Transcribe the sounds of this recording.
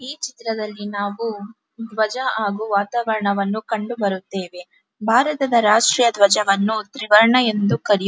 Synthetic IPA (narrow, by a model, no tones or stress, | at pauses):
iːt͡ʃit̪ɾɐd̪ɐlːinaːʋu | d̪ʋɐd͡ʒɐaːɡuʋaːt̪aːʋɐɾɐɳɐʋɐnːukɐɳɖubɐɾut̪ːe̞ːʋe̞ | bʱaːɾɐt̪ɐd̪ɐɾaːʂʈɾiːjɐd̪ʋɐd͡ʒɐʋɐnːut̪ɾiʋɐɾɐɳɐe̞nd̪ukɐɾij